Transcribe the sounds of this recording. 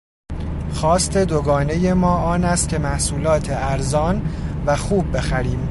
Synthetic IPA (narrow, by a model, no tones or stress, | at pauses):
xɒːst̪ʰe̞d̪oɡɒːne̞je̞mɒːʔɒːnæst̪̚cʰʲe̞mæhsuːlɒːt̪ʰeæɾzɒːnvæxuːbːe̞xæɾiːm